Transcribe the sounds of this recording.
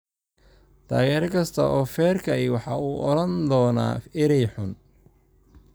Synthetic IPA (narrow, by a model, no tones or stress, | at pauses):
t̪ʰa̰ːɣɛːɾɐkʰɐst̪ʰɐ̰ʔɔːfɛːrkʰɐɛjwɑħɑuːʔɔɾɐnd̪ɔːna̰ːɪɾɛjħʊn